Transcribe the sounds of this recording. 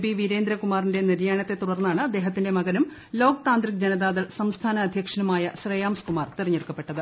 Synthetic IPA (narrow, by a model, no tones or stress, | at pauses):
biʋiɾeːnd̪ɾɐkumaːrinde̞niɾjaːɳɐt̪ːe̞t̪uɽɐrnːaːɳɨd̪e̞ːɦɐt̪ːinde̞mɐɣɐnum | lo̞ːkt̪aːnd̪rik̚d͡ʑenɐðaːðɐɭsɐmst̪ʰaːnɐːd̪ʱjɐkʂɐnɐmaːjɐɕrɐjaːmskumaːrt̪irɐɲːeɭkːɐpːeʈːɐðɨ